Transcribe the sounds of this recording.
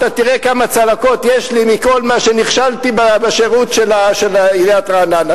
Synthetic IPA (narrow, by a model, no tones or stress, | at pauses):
t̪at̪iʁekamat͡salako̞t̪jeʃlimiko̞lmaʃeniχʃalt̪ibabaʃeʁutʃelaʃelaileat̪ʁaːnan